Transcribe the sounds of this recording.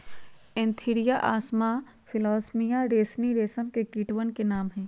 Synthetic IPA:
ɪ̃nt̪ʰiɾijaʔaːsma | fʰɪlɔːsmijaɾeːsniɾeːsəmkekiːʈwənkenaːmɦɛ̃ː

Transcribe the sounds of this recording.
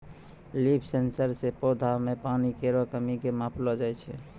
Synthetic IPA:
lipʰsensəɾsepod̪ʱamepanikeɾokəmikemaːpʰlod͡ʒajt͡ʃʰɛ

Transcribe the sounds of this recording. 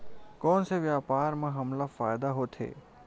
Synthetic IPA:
kɔːnseʋjaːpaːɾmẽɦɐmlafaːjd̪aɦot̪ʰḛː

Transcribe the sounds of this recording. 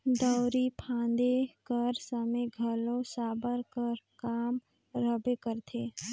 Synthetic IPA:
d̪ɔʊɾipʰãːnd̪ekəɾsəmeɡʱəlõsaːbəɾkəɾkaːm | ɾəbekəɾt̪ʰeː

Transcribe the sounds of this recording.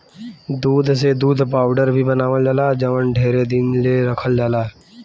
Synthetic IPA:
d̪uːd̪ʱsed̪uːd̪paːʊɖəɾbʱibənaːʋəld͡ʒaːlaːd͡ʒəʋənɖʱeːɾed̪ɪnleɾəkʰəld͡ʒaːlaː

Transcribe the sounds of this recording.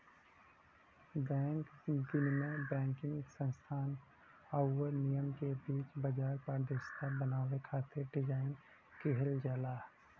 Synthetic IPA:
bɛ̃ːŋkd̪ɪnmẽbɛ̃ːŋkɪ̃ŋɡsə̃nst̪ʰaːn | aːəɾnijəmkebiːt͡ʃbəd͡ʒaːɾpaːɾd̪eːʃt̪abənaːwekʰaːt̪ʰeɾɖɪd͡ʒaːɪn | keɦəld͡ʒaːlaː

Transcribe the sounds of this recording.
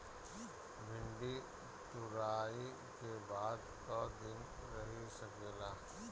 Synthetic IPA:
bʱɪ̃ɳɖi | t̪ʊɾaːi | kebaːd̪t̪ɔːd̪ɪnɾɐɦisɐkeːlaː

